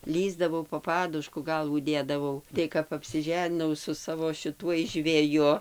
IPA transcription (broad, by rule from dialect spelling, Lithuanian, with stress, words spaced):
ˈlʲiːzdɐʋɐʊ poː ˈpɑːdʊʃkʊ ˈɡɐlˠʋuː ˈdʲeːdɐʋɐʊ ˈtɐɪ kɐp ɐpʲsʲɪˈʒʲæːnʲɪnɐʊ sʊ ˈsɑːʋoː ʃʲɪˈtuɔj ʒʲʋʲɛˈjʊ